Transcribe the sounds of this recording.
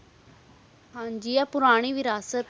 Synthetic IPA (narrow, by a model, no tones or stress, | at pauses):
ɦãːɲd͡ʒijapʊɾaːɽ̃iʋɪɾaːsət̪